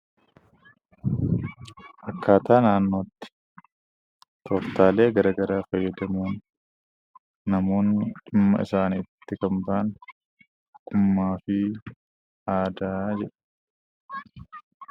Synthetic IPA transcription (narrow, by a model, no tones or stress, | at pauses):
ʔɐkːaːt̪aːnaːnːo̞ːt̪ːɪ̥ | t̪ʰɔft̪aːle̞ːɡɐɾɐɡɐɾaːfɐjːɐd̪ɐmuːn | ɐmo̞ːnːɪᶑɪmːɐ̰ɪ̰saːniːt̪ːɪkɐmbɐʔɐn | kʊmːaːfɪ | aːd̪aːd͡ʒɛᶑɐ̥